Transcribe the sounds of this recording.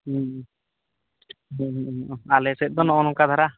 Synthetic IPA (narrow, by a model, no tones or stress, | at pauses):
alɛsɛt̪̚ˀd̪ɔnɔɔnɔkad̪ʱaɾa